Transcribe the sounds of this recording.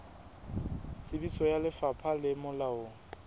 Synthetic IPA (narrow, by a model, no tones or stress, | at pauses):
sɪbisɔjalɪfapʰalɪmʊlaoŋ̩